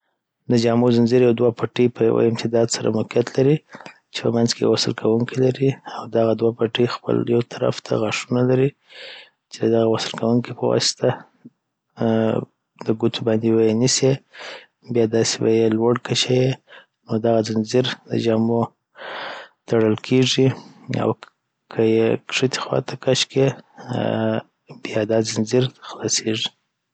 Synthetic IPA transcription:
d̪əd͡ʒɑmozɪnziɾjawd̪wapʰaʈipəja̰wa̰ɪmt̪ɪd̪ɑd̪saɾa̰mʊkijat̪laɾi | t͡ʃe̥pə̰manzkewasəlkʰawuŋkʰilaɾiawd̪aɣad̪wapaʈixpə̰ljawt̪ʰaɾa̰ft̪ʰa̰ɣaʂunalaɾi | t͡ʃed̪əd̪aɣawasəlkawuŋkipəwɑ̰sɪ̥t̪ʰa | d̪əɡut̪ʰubɑnd̪iwajenise | bjɑd̪ɑsewa̰jelwaɽkaʃaje | nod̪aɣazɪnzɪɾd̪ə̰d͡ʒɑmo | t̪aɽəlkʰeʐia̰w | kʰəjekʂɪt̪i̥xwɑ̰t̪ʰakaʃke | bjɑd̪ɑzɪnziɾxlɑseʐi

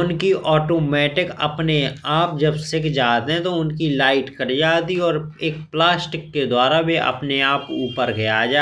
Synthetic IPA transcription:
ʊnkiʔɔːʈoːmɛːʈɪkɐ̰pneaːp̚d͡ʒɐbsɪkʰd͡ʒaːt̪eɦɛ̃t̪oʊnkilaːɪʈkɐɾd͡ʒaːt̪iɔːɾeːkplaːsʈɪkːed̪waːɾabʱiʔɐ̰pneaːpuːpəɾɡɐjad͡ʒaː

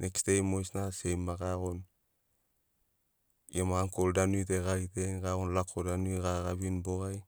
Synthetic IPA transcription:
nʔekstejmojsnasejmːaɡaɣon | jemaːŋkoldanujteɡajteŋɡaɣonlakʰːodanujɡaɡabinboɡaj

